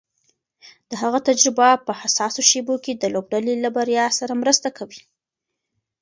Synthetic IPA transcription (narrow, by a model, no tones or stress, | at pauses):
d̪̥əɦaɣat̪ad͡ʒɾɪbapəhasɑsoʃeboked̪əlob̚ɖalelabaɾjɑsaɾamɾəst̪akʰawi